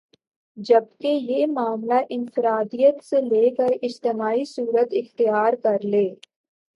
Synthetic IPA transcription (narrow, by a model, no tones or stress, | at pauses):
d͡ʒɐb̚kejemaːmlaʔɪnfɪɾaːd̪ijət̪seleːkəɾɪd͡ʒt̪ɪmaːisuːɾət̪ɪxt̪ɪjaːɾkɐɾleː